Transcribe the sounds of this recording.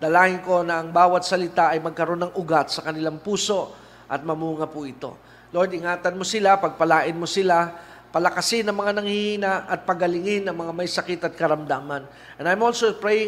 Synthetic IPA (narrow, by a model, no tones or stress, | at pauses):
d̪ɐlaːhɪnko̞nɐʔɐŋbaːwɐt̪̚sɐlɪt̪aʔɐjmɐɡ̚kɐɾo̞nːɐŋʔʊɡat̪sɐkɐnɪlaŋpuːso̞ | ʔɐ̰t̪̚mɐmuːŋɐpʊʔɪt̪o̞̰ | lojd̪ɪŋaːt̪ɐnmo̞sɪlapɐɡ̚pɐlaːʔɪnmo̞sɪla | pɐlɐkɐsɪnːɐŋmɐŋanɐŋhihiːnaɐt̪̚pɐɡɐlɪŋɪnːɐŋmɐŋamɐjsɐkɪt̪ɐt̪̚kɐɾɐmd̪aːmɐn | ʔɛ̃najmolsopɹej